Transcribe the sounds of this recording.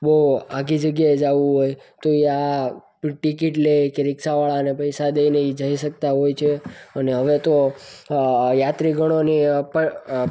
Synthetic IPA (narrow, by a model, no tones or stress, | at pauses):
boaɡid͡ʒəɡjaed͡ʒaʋũɦojt̪oea | ʈikiʈlekeɾɪksaʋaɭanepəjsad̪eineid͡ʒəiʃək̚t̪aɦojt͡ʃʰeəneɦəʋet̪o | jat̪ɾiɡʱəɽ̃onipə